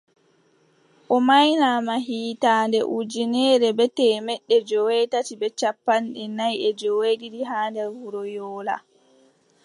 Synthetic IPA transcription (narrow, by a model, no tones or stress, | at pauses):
ʔɔmajnamaɦiːtaːndɛ̰ʔud͡ʒinɛːɾɛbɛtɛːmɛɗːɛd͡ʒɔwɛtatibɛt͡ʃapːanɗinajɛd͡ʒɔwediɾiɦaːndɛɾvuɾɔjɔːla̰